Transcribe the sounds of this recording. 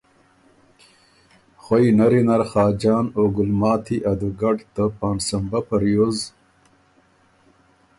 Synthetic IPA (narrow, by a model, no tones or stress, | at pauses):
χojnɐɾinɐɾχɑːd͡ʑɑːnoːɡulmɑːt̪ʰiʔɐd̪uɡɐʈt̪əpɑːnsɐmbapɐɾjoz